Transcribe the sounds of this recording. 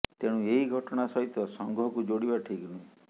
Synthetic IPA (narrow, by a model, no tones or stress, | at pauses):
t̪eɽ̃ũeɦiɡʱɔʈɔɽ̃asɔɦit̪ɔsɔŋɡʱɔɦɔkud͡ʒoɽibaʈʰiknũĩ